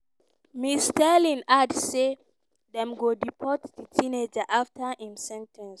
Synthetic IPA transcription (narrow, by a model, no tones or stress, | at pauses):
mistɛlĩnadse | ðɛ̃mɡodipʰɔtditʰĩned͡ʒaʔaftʰəʔĩmsɛ̃ntʰɛ̃ns